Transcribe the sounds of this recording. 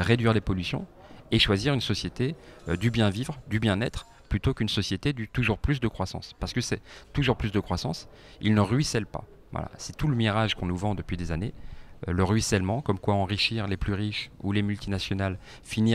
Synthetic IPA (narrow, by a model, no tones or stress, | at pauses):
ʁed̪ɥiʁlepɔlysjɔ̰̃ | eʃwaziʁynsɔsjet̪eød̪ybjɛ̃vivʁd̪ybjɛ̃nɛt̪χ | plyt̪okynsɔsjet̪ed̪yt̪uʒuʁplys̬d̪əkχwasɑ̰̃spaʁsəkəsɛt̪uʒuʁplysd̪əkχwasɑ̰̃s | ilnəʁɥisɛlpa̰ | vwa̰la̰sɛt̪uləmiʁaʒkɔ̃nuvɑ̃d̪əpɥid̪ezaneø̰ləʁɥisɛlmɑ̃kɔmkwaɑ̃ʁiʃiʁleplyʁiʃṵlemylt̪inasjɔnal | fini